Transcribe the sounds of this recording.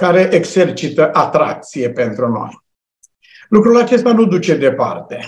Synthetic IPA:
kaɾe̞ʔekse̞rt͡ʃit̪əʔat̪ɾa̰k̚t̪sije̞pe̞nt̪ɾuno̞̰j | lukɾulat͡ʃe̞st̪anud̪ut͡ʃe̞d̪e̞pa̰rt̪e̞

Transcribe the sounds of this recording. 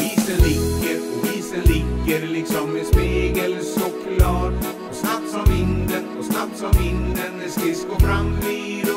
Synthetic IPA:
viːsənlɪkːəɾɔviːsənlɪkːəɾlɪksɔmd̪ɛspiːɡəlsɔkːlɑːɾ | ɔsnapt̪sɔmɪnd̪ənɔsnapt̪sɔmɪnd̪ənɛskɪsɡoːfɾamːiː

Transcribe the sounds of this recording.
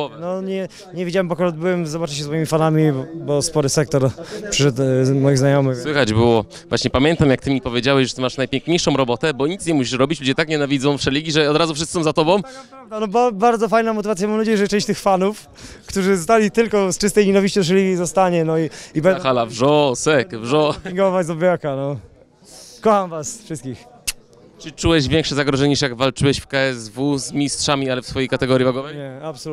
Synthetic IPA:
nɔɲɛ | ɲɛvʲid͡ʑawɛmbɔkɔɾɔd̪̚bɘwɛmzɔbat͡ʂɨɕ̬ɛsmɔimʲifanamʲibɔbɔspɔɾɨsɛk̚t̪ɔɾpʂɘʂɛt̪mɔjiɣznajɔmɘswɘxad͡ʑbɘwɔ | vwaɕɲɛpamʲjɛnt̪amjakt̪ɘmʲipɔvʲjed͡ʑawɛɕʐɛt̪maʂnajpʲɛŋkɲejʂɔ̃w̃ɾɔbɔt̪ɛbɔɲit̪sɲɛmuɕiʂɾɔbʲit͡ɕlud͡ʑɛt̪akɲɛnavʲidzɔ̃w̃fʂɛlʲiɡʲiʐɛɔd̪ɾazufʂ̬sɨsɔ̃w̃zat̪ɔbɔ̃w̃ | d̪anɔbabaɾd̪zɔfajnamɔt̪̬ɨvat̪sʲjamamnad͡ʑejɛʐɛtt͡ʂɛ̃ɕt͡ɕt̪ɘxfanuf | kt̪uʐɘzɔst̪alʲit̪ɘlkɔst͡ʂɨst̪ɛjɲɛnavʲiɕt͡ɕɔ̃w̃ʂ̬ɛlʲiɡʲizɔst̪aɲɛnɔiibɛxalavʐɔsɛkvʐɔiŋɡɔvazɔbʲjakanɔ | kɔxamvasfʂɨst̪̚kʲix | t͡ʂɨt͡ʂuwɛɕvʲjɛŋkʂɛzaɡɾɔʐɛɲɛɲiʂjaɡvalt͡ʂɘwɛɕfkaɛzvuzmʲistʂamʲialɛfsfɔjejkat̪ɛɡɔɾʲjivaɡɔvɛjɲɛapsɔ

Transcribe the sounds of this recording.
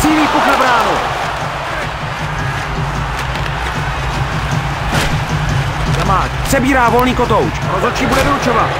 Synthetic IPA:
siːliːpuxlɛbɾaːno | jamaːt͡ʃpr̥ɛbiːɾaːvo̞lniːkot̪owt͡ʃɾozot͡ʃiːbudɛvout͡ʃovat̪

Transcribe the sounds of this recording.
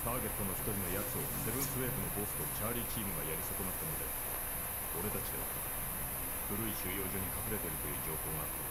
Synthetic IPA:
t̪aːɡe̞t̪ːo̞no̞çi̥t̪o̞ɾʲino̞jat͡sɨo̞se̞bɯ̟̃ɰ̃sɨβe̞ːbɯno̞bo̞ːɸɯ̥t̪o̞t͡ɕaːɾʲiːt͡ɕiːmɯɡajaɾʲisoko̞nat̪ːanod̪e̞ | oɾe̞t̪at͡ɕid̪e̞a̰ | ɸɯ̟ɾɯ̟iɕɨːjo̞ːʑo̞ːɲ̟ikaɸɯɾe̞t̪e̞ɾɯ̟t̪o̞jɯ̟ːd͡ʑo̞ːɦo̞ːɡaːt̪ːa

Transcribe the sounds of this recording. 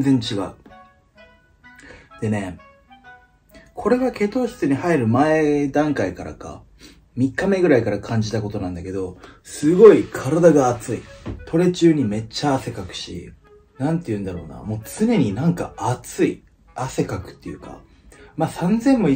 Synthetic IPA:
zẽ̞ɲ̟t͡ɕiɡa̰ɯ̟ | d̪̥e̞ne̞ | kʰo̞ɾe̞ɡake̞t̪o̞ːɕt͡sɨɲ̟ihaiɾɯ̟mae̞d̪ãŋkaikaɾa̰ka̰ | mʲikːame̞ɡɯ̟ɾaikaɾakʰãɲ̟d͡ʑit̪ako̞t̪o̞nãnd̪ake̞d̪o̞sɨɡo̞ikʰaɾad̪aɡaːt͡sɨit̪ʰo̞ɾe̞t͡ɕɨːɲ̟ime̞t͡ɕːaːse̞kakɯ̟̥ɕḭ | nãnt̪ːe̞jɯ̟̃nd̪aɾo̞̰ːna̰mo̞ːt͡sɨne̞ɲ̟inãŋka̰at͡sɨi | ase̞kakɯ̟̥t̪ːejɯ̟ka̰ | maːsãnd͡zẽ̞mːo̞i

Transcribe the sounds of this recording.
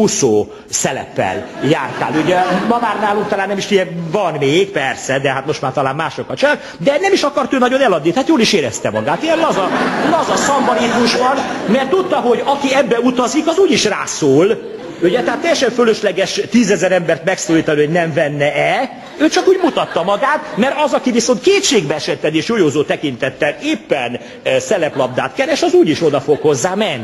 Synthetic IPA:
uso̰ː | sɛlɛ̰pːɛ̰ljaːrt̪a̰ːluɟɛmɒmaːrnaːluŋk̚t̪ɒlaːnːɛmiʃt̪iɛvɒnmeːɡpɛrsɛd̪ɛɦat̪mo̞ʃt̪maːrt̪ɒlaːnmaːʃokːɒt͡ʃɔlaːk̪ | d̪ɛnɛmiʃɒkɒrt̪øːnɒɟo̞nɛlɒd̪nit̪ɛɦaːt̪joːliʃeːɾɛst̪ɛmɒ̰ɡaːt̪iɛlɒzɒɒzɒsɒmbɒɾizmuʃbɒnmɛrt̪ːut̪ːɒɦo̞ɟɒkiɛbːɛut̪ɒzikɒzuːɟiʃraːsoːl | uɟɛt̪ɛɦat̪ːɛjɛʃɛɱføløʃlɛɡɛʃt̪iːzɛzɛɾɛmbɛrt̪mɛksoːliːt̪ɒnioɟnɛɱvɛnːɛɛ | øːt͡ʃɒkuːɟmut̪ɒt̪ːɒmɒɡaːt̪mɛɾɒzɒkiviso̞nt̪̚keːt̪ʃeːɡbɛɛʃɛt̪ːɛd̪eːʃjojoːzoːt̪ɛkint̪ɛt̪ːɛleːpːɛn | sɛlɛplɒb̚d̪a̰ːt̪kɛɾɛʃɒzuːɟiʃo̞d̪ɒfo̞kho̞zːaːmɛnːi

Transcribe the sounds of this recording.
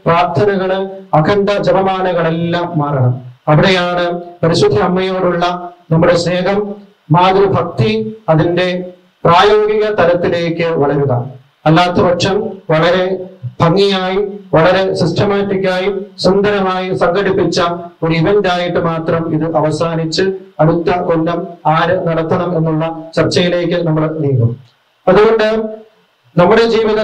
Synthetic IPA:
praːrt̪ʰːɐnɐɣɐɭɐkʰɐnɖɐd͡ʑɐʋɐmaːnɐɣɐɭe̞lːaːmːaːrɐɳɐmɐʋiɽejaːɳɨpɐɾiɕud̪ʱːiɐmːɐjo̞ːɽuɭːɐnɐmːuɽe̞sneːɦɐmː | aːɡ̪ɾɐbʱɐk̚t̪iɐðinde̞ | praːjoːɡiɣɐt̪ɐlɐt̪ːile̞ːkːɨʋɐɭɐɾuɣɐ̰ | ɐlːaːt̪ːɐʋɐkʂɐmʋɐɭɐɾe̞bʱɐŋːijaːjiʋɐɭɐɾe̞sisʈʰɐmaːtːikʲːaːjisund̪ɐɾɐmaːjisɐŋɡɐɽipːit͡ɕːɐoɾuiʋɐndaːjiʈːɨmaːt̪rɐmiðɨʔɐʋɐsaːnit͡ɕːɨɐɽut̪ːɐko̞lːɐmaːɾɨnɐɽɐt̪ːɐɳɐme̞nːuɭːɐt͡ɕɐrt͡ɕːɐjile̞ːkːɨnɐmːɐɭniːkum | ɐðuɣo̞ɳɖɨ | nɐmːuɽe̞d͡ʑiːʋiðɐ

